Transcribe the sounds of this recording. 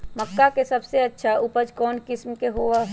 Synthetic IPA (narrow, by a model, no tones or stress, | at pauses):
məkːakesəbseətːʃʰaupəd͡ʒkɔːnkɪsmkeɦoa